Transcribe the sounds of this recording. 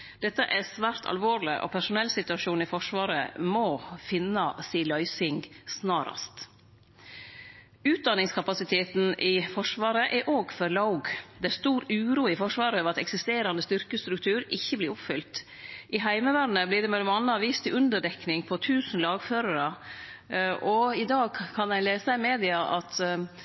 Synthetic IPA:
d̪̥ɛt̪ːəʔɛsʋæːɾt̪ʰɑ̰lʋoːɾlɪ̰ʔɔ̰pʰæʂʊnɛlːsɪt̪ʉɑʃuːn̩ɪfɔʂʋɑːɾə̰mɔːfɪnɑsiːəlœʏsɪŋɡsnɑːɾɑ̰st̪ | ʉːt̪̚d̪ɑnɪŋskʰɑpɑsɪt̪ʰeːt̪n̩ʔɪfɔʂʋɑːɾəʔɛɾʔoːɡfɔɾlɑʊɡd̪ɛæst̪uːɾʉːɾuːɪfɔʂʋɑːɾəɑʋɑt̪ɛksɪst̪eːɾɑnd̪əst̪ʏɾkəst̪ɾʉk̚t̪ʰʉːɾɪçːəblɪɾʊpfʏlt̪ | ʔɪɦæɪməʋæɾnəblɪɖɛmɛlːɔmɑnːəɑʋiːst̪ʰɪʔʉnd̪əɖɛknɪŋpʰɔt̪ʰʉːsn̩lɑːɡføːɾəɾə | ʔɔɪd̪ɑːɡ̚kʰɑnæɪleːsæɪmeːd̪ɪɑʔɑt̪

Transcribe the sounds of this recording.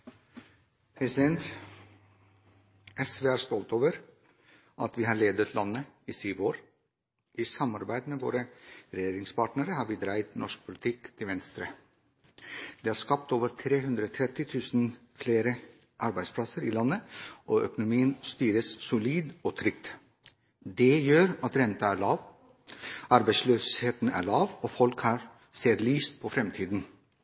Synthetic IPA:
pʰɾɛsɪd̪ɛnt̪ | ʔɛsʋeːæːɾst̪ɔlt̪oːʋəɾ | ʔɑt̪ʋiːhɑːɭeːd̪ət̪ʰlɑnːəiːsyːʋoːɾ | ʔiːsɑmɑɾbæɪd̪meːʋo̰ːɾəɾɛjeːɾɪŋspɑːʈnəɾəhɑːɾʋiːd̪ɾæɪt̪nʔɔʂk̚pʰʊlɪt̪ʰɪkːt̪ʰɪʋɛnst̪ɾə | d̪̥ɛːhæːskɑp̚t̪oːʋəɾt̪ʰɾeːɦʉnd̪ɾəɔːt̪ʰɾɛt̪ɪt̪ʰʉːsn̩ | fleːɾə | ʔɑɾbæɪd̪spʰlɑsəɾiːlɑnːəʔoʔœ̰kʊnʊmiːənst̪yːɾəssʊliːd̪oːt̪ʰɾʏk̚t̪ | d̪ɛjøːɾɑt̪ɾɛnt̪ɑæːɭɑːʋ | ʔɑɾbæɪsløːsheːt̪n̩æ̰ːɭɑːʋoːfɔlkhɑːɾ | seːɾliːst̪̚pʰɔfɾɛmt̪ʰiːd̪n̩

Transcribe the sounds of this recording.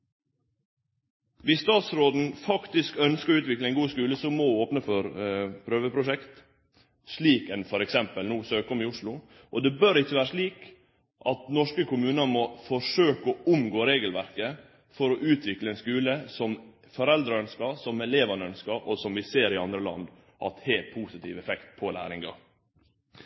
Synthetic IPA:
ʋɪsst̪ɑːt̪sɾoːd̪n̩fɑkt̪ɪskœnskəɾʉːt̪ʋɪklɛɪnɡuːskʉːləsɔmɔoːpnəfɔɾpʰɾøːʋəpʰɾʊʂɛkt̪ | ʂɭiːkɛnfɔɾɛksɛmpəlnuːsøːkɔmɪʊʂɭʊ | ʔɔd̪ɛbœɾɪçːəʋæːɾəʂɭiːk | ʔɑt̪nɔʂkəkʊmʉːnəmɔfɔʂøːkəɔʊmɡoːɾeːɡəlʋæɾkə | fɔɾɔʔʉːt̪ʰʋɪkləɛnskʉːləsɔm | fɔɾɛld̪ɾəœnskɑsɔmɛleːʋɑnəœnskɑɾʔɔsɔmʋɪseːɾɪɑnd̪ɾəlɑ̰nd̪ | ʔɑ̰t̪hepʰuːsɪt̪ʰḭːʋɛfɛkt̪̚pʰɔlæ̰ːɾɪŋɡɑ̰

